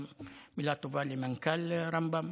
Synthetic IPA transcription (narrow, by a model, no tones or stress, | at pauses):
mmilat̪uvalimaŋkalɾambam